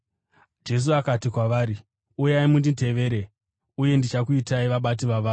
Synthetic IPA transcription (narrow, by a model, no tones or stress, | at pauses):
d͡ʒe̞s̬uakatikwaʋaːɾi | ujaimundite̞ʋe̞ːɾe̞ | uje̞ndit͡ʃakuitaiʋaɓat̬iʋaʋaːu